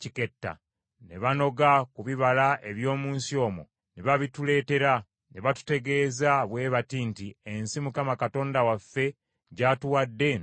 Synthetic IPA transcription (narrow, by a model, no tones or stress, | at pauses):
cike̞tːa̰ | ne̞βano̞ɡakuβiβalaʔe̞βjo̞ːmuːnsio̞ːmo̰ | neβaβitule̞ːte̞ɾa | ne̞βatu̥te̞ɡe̞ːzaβwe̞ːβatiːntiensimukamakato̞ːndawafːe̞ | ɟatuwadːe̞